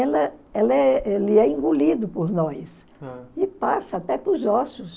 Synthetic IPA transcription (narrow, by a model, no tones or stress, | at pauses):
ɛlɐɛlɐɛelɪɛĩŋɡulid̪ʊpoɾnɔjs | ɪpasɐat̪ɛpʊzɔsʊs